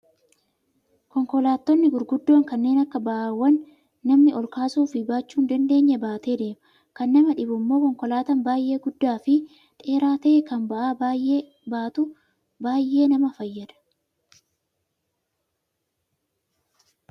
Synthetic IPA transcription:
kɔŋkɔlaːt̪ːɔnːɪɡʊɾɡʊd̪ːo̞ːŋkɐnːe̞ːnɐkːɐbɐʔaːwːɐnː | ɐmnɪʔɔlkaːsuːfɪbaːt͡ʃːuːnd̪ɐnd̪e̞ːɲːɐbaːt̪e̞ːd̪e̞ːmɐ | kɐnːɐmɐᶑɪbʊmːo̞ːkɔŋkɔlaːt̪ɐmbaːjʔe̞ːɡʊd̪ːaːfɪ | t̪ʼe̞ːɾaːt̪ɐkɐnbɐʔaːje | baːt̪ʊ | baːjːe̞ːnɐmɐfɐjːɐᶑ̪ɐ̥

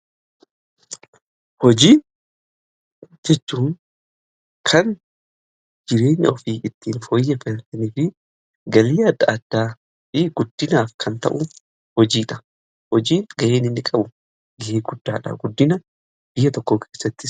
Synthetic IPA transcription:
hɔd͡ʒiːn | d͡ʒɛt͡ʃːuːn | kʰɐn | d͡ʒɪɾe̞ːɲːɐɔfiːʔɪt̪ːiːnfoːjːɛfɛnt̪ɐniːfɪ | ɡɐliːɐd̪ːɐɐd̪̥ːaː | ɪɡ̥ʊd̪̥ːɪnaːfkʰɐnt̪ɐ̰ʔʊ | hɔd͡ʒiːᶑɐ̥ | hɔd͡ʒiːnɡɐʔeːnɪnːɪkʼɐbʊ | ɡɐʔeːɡʊd̪̥ːaːᶑɐ̰ɡʊd̪ːɪnɐ | b̥ɪjːɐt̪ɔkːoːkʰeːsːɐt̪ːɪ

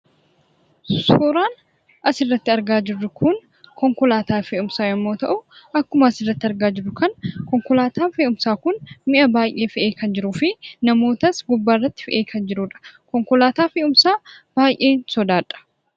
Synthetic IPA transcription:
sʊsoːɾaːn | ʔɐsɪrːɐt̪ːɪɐɾɡaːd͡ʒɪrːʊkʰʊn | kɔŋkɔlaːt̪aːfeːʊmsaːjɐmːoːt̪ɐʔʊʔɐkːʊmɐɐsɪrːɐt̪ːɪɐɾɡaːd͡ʒɪrːʊkɐnkɔŋkɔlaːt̪aːfeːʔʊmsaːkʊnmɪʔɐbaːjʔe̞ːfɪʔe̞ːkɐnd͡ʒɪɾʊfɪnɐmo̞ːt̪ɐsɡʊbːaːrːɐt̪ːɪ̥fɪʔeːkʰɐnd͡ʒɪɾuːᶑɐ̥kɔŋkɔlaːt̪aːfeːʊmsaːb̥aːjʔe̞ːnsɔd̪aːᶑɐ̥

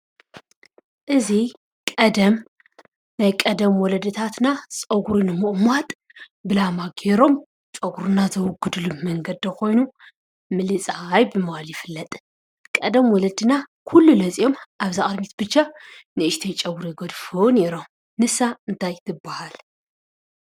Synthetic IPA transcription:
ʔɨzi | kʼɐd̪ɐm | najkʼɐd̪ɐmwɔlɐd̪ɨt̪ʰat̪nasʼɐɡuɾunɨmɨʔʼmat̪ʼ | bɨlamaɡeɾo̞m | t͡ʃʼɐɡuɾunazɐwʊɡːɨd̪lumɐŋɡɐd̪ːɐkʰo̞jnu | mɨlɨt͡sʼajbɨmɐwaljɪfɨlːɐt̪ʼ | kʼɐd̪ɐmwɔlɐd̪ɨnakʰulːulɐsʼijo̞mʔaβzaʔʼɐd̪mit̪bɨt͡ʃːanɨʔɨʃt̪ʰejt͡ʃʼɐɡuɾjɡɐd̪foneɾo̞m | nɨsaɨnt̪ʰajt̪ʰɨbːahal

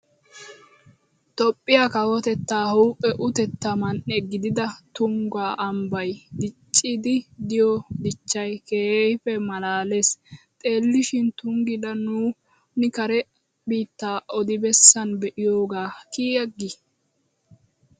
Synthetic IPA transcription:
t̪ɔpʼːɪjakɐwɔt̪ɛt̪ːaːhuːpʼːɛʔʊt̪ɛt̪ːamɐnʔɛɡɪd̪ɪd̪ɐt̪ʊŋɡaːʔɐmbɐjd̪ɪt͡ʃʼːɪd̪ɪd̪ɪjɔd̪ɪt͡ʃːɐjkeːfɛmɐlaːle̞st̪ʼe̞ːlːɪʃɪnt̪ʊŋɡɪlɐnuː | nɪkɐɾɛ | biːt̪ːaːʔɔd̪ɪbɛsːɐnbɛʔɪjoːɡaːkiːɐɡːɪ

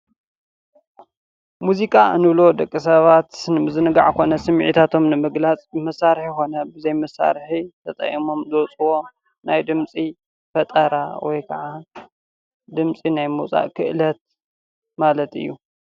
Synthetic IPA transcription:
muzikʼaɨ̰nɨβlo̞d̪ɐkʼːis̬ɐβat̪nɨmɨzɨnɨɡa̰ʕkʰo̞nɐsɨm̰ʕit̪ʰat̪ʰo̞mnɨmɨɡlat͡sʼmɐsːaɾħjxo̞nɐbɨzɐjmɐsːa̰ɾħit̪ʰɐt̪ʼɐ̰ʔimo̞mzowt͡sʼuwo̞ | najd̪ɨmt͡sʼi | fɐt̪ʼɐɾawɔ̰jkʰɐʕa | d̪ɨmt͡sʼinajmɨwt͡sʼa̰ʔkʰɨʔlɐt̪̚ | malɐt̪ʰɨ̰jːu

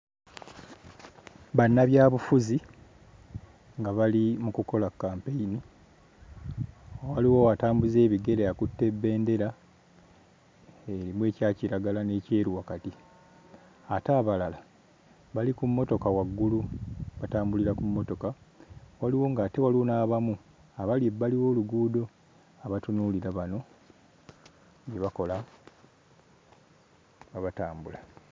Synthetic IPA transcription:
βanːaβjaːβufuzi | ŋɡaβalimukuko̞lakːaːmpeini | owaliwo̞wataːmbuze̞ːβiɡe̞ɾeakutːe̞bːe̞ːnde̞ɾa | eɾimwe̞ːcaːciɾaɡalane̞ce̞ːɾuwakati | ataːβalala | βalikumːo̞to̞kawaɡːuluβataːmbuliɾakumːo̞to̞kawaliwo̞ŋɡate̞walionaːβamu | aβalealiwo̞ːluɡuːdo̞ | aβatunuːliɾaβano̞ | ɟeβako̞la | βaβataːmbula

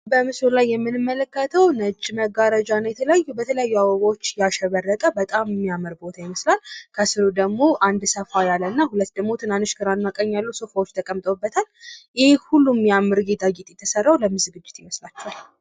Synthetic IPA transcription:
bəmɨsulajːɛmːɨnɨmːələkːət̪ʰəwnət͡ʃʼːməɡaɾəd͡ʒanəjɛt̪ʰələjajːubət̪ʰələjajːuawəɡat͡ʃːjaʃɛβərːət̪ʼəbət̪ʼamːijamɨɾbo̞t̪ʰajɪməslalkʰəsɨɾud̪əɡmo̞ʔand̪səfajalːənːahulət̪ːd̪əɡmo̞t̪ʰɨnanɨʃkʰɨɾanːakʼəɲːjalːusofawot͡ʃːt̪ʰəkʼəmt̪ʼobːət̪ʰaljɪhehulːumjamːɨɾɡed̪aɡit̪ʼjɛt̪ʰːəsərːawləmɨzɨɡɨd͡ʒːɪt̪jɪməslat͡ʃːɛwal

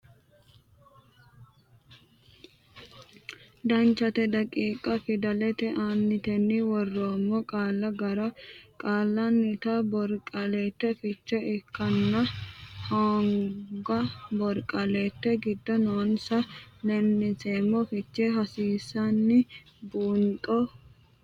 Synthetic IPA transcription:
d̪ɐnt͡ʃːɐt̪ɛd̪ɐkʼiːkʼɐfɪd̪ɐlɛt̪ɛʔanːɪt̪ɛnːɪwɔrːoːmːɔkʼaːlːɐɡɐɾɐkʼaːlːɐnːɪt̪ɐbɔɾkʼɐleːt̪ːɛfɪt͡ʃːɛɪkːɐnːɐhɐːŋɡɐbɔɾkʼɐleːt̪ːɛɡɪd̪ːɔnonsɐlɛnːɪseːmːɔfɪt͡ʃːɛɦɐsiːsːɐnːɪ | buːnt̪ʼɔ

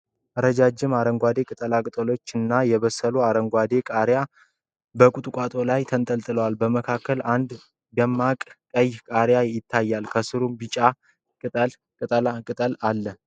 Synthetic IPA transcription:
əɾəd͡ʒad͡ʒɪmaɾəŋɡʷad̪e̞kʼɨt̪ʼəlakʼɨt̪ʼəlo̞t͡ʃːɨnːajɛβəsəluaɾəŋɡʷad̪e̞kʼaɾja | bəkʼut̪ʼkʼat̪ʼo̞lajt̪ʰənt̪ʼəlt̪ʼɨləwalbəməkʰakʰːəland̪ | jɛmːakʼkʼəjkʼaɾjajɪt̪ʰːajːalkʰəsɨɾumbɨt͡ʃʼa | kʼɨt̪ʼəl | kʼɨt̪ʼəlakʼɨt̪ʼəlalːə

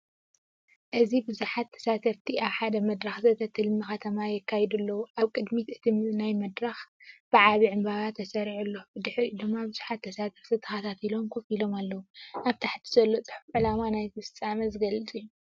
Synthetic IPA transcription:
ʔɨzibɨzuħat̪ʰːɐ̥sat̪ʰɐft̪ʰiaβħad̪ɐmɐd̪ɾaxzɐt̪ʰɐt̪ʰɨlmɨxɐt̪ʰɐmajɛkʰːajd̪ulːɐwuʔaβkʼɨd̪mit̪ɨt̪ʰinajmɐd̪ɾaxb̥ɨʕaβiʕɨmbaβat̪ʰːɐsɐɾiʕulːo̞bɨd̪ɨħd̪ɨmːabɨzuħat̪ʰːɐsat̪ʰɐfz̥ɐt̪ʰɐxɐt̪ʰat̪ʰilo̞mkʰofilo̞malːɐwunaβt̪ʰaħt̪ʰi̥zɐlːot͡sʼɨ̥ħufʕɨlamanajzɨsɨt͡sʼamɐzɨɡɐlɨt͡sʼiju

